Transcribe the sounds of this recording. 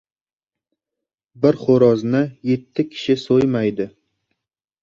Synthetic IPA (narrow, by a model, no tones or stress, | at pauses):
bɪɾχoɾɒznɪje̞t̪ʰːɪkʲʰɪ̥ʃɪsojmajd̪ɪ